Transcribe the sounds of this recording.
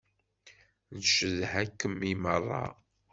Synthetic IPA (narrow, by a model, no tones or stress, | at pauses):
nʃəðhækːəmːimərˤːɑ̰